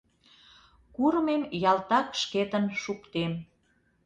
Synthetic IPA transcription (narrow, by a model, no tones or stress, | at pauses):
kurmemjɑlt̪ɑkʃket̪ənʃukt̪em